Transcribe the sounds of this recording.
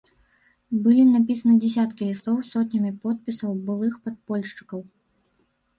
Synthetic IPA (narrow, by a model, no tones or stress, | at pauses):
bɨlʲinap̬ʲisɐnɨd͡zʲɛsʲat̪kʲiislˠɔwsɔt̪ʲnʲɐmʲipɔt̪̚pʲisɐwbɨlˠɨxpɐt̪̚pɔlʲʂt͡ʂɨ̥kɐw